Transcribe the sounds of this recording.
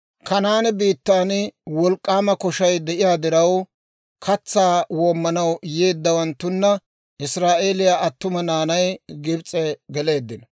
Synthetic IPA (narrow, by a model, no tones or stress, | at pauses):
kɐnaːnɛbiːt̪ːaːnɪwɔlkʼːaːmɐkɔʃɐjd̪ɛʔɪjaːd̪ɪɾɐw | kʰɐt͡sːaːwoːmːɐnɐwjeːd̪ːɐwɐnt̪ːʊnːɐ | ʔɪsɾaːʔe̞ːlɪjaːʔɐt̪ːʊmɐnaːnɐjɡɪbt͡sʼːɛɡɛle̞ːd̪ːɪn